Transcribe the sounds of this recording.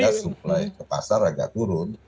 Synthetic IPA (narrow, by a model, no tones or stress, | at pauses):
asup̚lajkəpa̰saraɡa̰t̪uɾʊn